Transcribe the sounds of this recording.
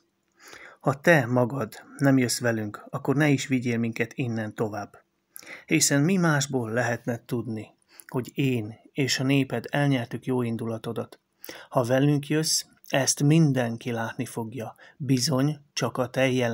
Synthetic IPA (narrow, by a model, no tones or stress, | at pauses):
hɒt̪ɛmɒɡɒd̪nɛmjøsʋɛlyŋkɒkːo̞rnɛiʃʋiɟeːlmiŋkɛt̪inːɛnt̪o̞vaːbː | hisɛnmimaːʒboːlːɛɦɛt̪nɛt̪ud̪ni | ho̞ɟeːneːʃɒneːpɛd̪ɛlɲɛrt̪ykjoːind̪ulɒt̪o̞d̪ɒt̪ | hɒvɛlyŋkjøs | ɛst̪mind̪ɛŋkilaːt̪nifo̞ɡjɒbizo̞ɲt͡ʃɒkɒt̪ɛjɛ